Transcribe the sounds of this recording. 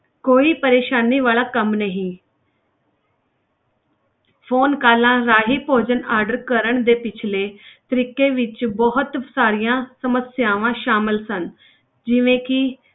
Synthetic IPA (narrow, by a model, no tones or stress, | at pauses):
koːiːpəɾeːʃaːniːʋaːɭaːkəmnəɦĩː | pʰoːnkaːlãːɾaːɦiːpoːd͡ʒənaːɾɖəɾkəɾəɳ̃d̪eːpɪt͡ʃʰleːt̪əɾiːkeːʋɪt͡ʃbɔɦʊt̪saːɾijãːsəməsjaːʋãːʃaːmɪlsən | d͡ʒɪʋẽːkɪ